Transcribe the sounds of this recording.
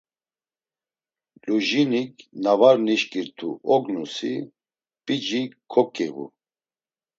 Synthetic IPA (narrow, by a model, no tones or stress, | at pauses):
luʒinikʰnavaɾniʃkʼiɾt̪ʰuʔɔɡnusḭ | pʼid͡ʒikʰɔkʼɛɣṵ